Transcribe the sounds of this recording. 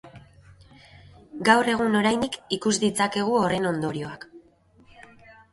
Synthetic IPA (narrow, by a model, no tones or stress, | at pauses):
ɡawre̞ɣ̞uno̞ɾajnikikuzd̪it͡sake̞ɣ̞uo̞re̞no̞nd̪o̞ɾio̞ak